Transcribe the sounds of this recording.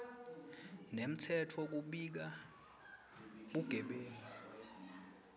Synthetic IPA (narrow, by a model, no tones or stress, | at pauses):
nem̩tʰɛtʰɔk̬uɓik̬a | ɓuɡ̥ʱɛɓeːlɔ